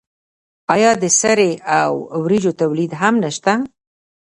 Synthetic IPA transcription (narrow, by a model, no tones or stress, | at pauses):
ɑjɑd̪əsaɾeawwɾid͡ʒot̪awlid̪ɦamnaʃt̪a